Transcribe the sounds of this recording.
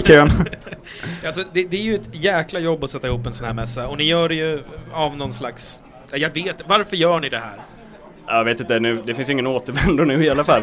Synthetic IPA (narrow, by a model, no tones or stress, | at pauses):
kʰøːn | als̬ɔd̪ɛd̪ɛæɾjɵɛt̪jæːklajɔbːɔsɛt̪ːaɪhuːpːɛnsɔnhæːɾmɛsːaɔnɪjœːɖɛjɵavnɔnːslaks | jajɑːɡveːt̪vaɾfœɾjœːɳɪd̪ɛɦæ̰ːɾ | jveːt̪ɪnt̪ənʉ̟ːd̪ɛfɪnsjɪŋːənoːt̪əɾvɛnd̪ʊɳʉ̟ːɪalafalː